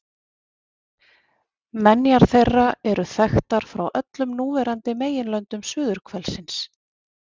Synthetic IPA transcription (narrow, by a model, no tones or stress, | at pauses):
mɛnjaɾ̥θejrːaɛɾʏθɛxt̪aɾ̥fɾawʔœt̪lʏmnuːvɛɾant̪ɪmeːjɪnlœnt̪ʏmsʏːðʏɾ̥kʰvɛlsɪns